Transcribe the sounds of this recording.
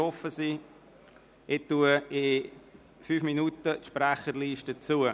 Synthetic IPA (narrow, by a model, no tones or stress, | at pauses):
ɔfəsi | ɪt̪ːuəɪ | fyːfminutətʃpɾæχəɾliːʃtət͡suə